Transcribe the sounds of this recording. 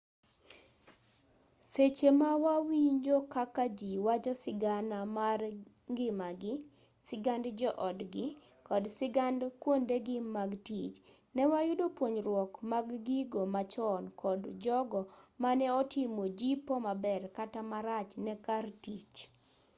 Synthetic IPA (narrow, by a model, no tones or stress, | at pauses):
set͡ʃemawawiɲd͡ʒokakad͡ʒiwat͡ʃɔsɪɡanamar | ŋɡɪmaɡɪ | sɪɡandd͡ʒɔʔɔdɡɪ | kɔdsɪɡandkwondeɡɪmaɡtit͡ʃnɛwajʊdopwoɲɾwɔkmaɡɡiɡomat͡ʃɔnkʰɔdd͡ʒɔɡɔmanɛɔtɪmod͡ʒipomabɛrkatamaɾat͡ʃnɛkartit͡ʃ